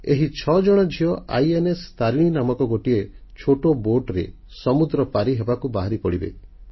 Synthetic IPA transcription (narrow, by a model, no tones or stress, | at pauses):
eɦit͡ʃʰɔd͡ʒɔɽ̃ɔd͡ʒʱiɔʔa̰jenest̪aɾiɽ̃inamɔkɔɡoʈiet͡ʃʰoʈoboɾʈɾḛ | sɔmud̪ɾɔpaɾiɦebakubaɦaɾipɔɽibḛ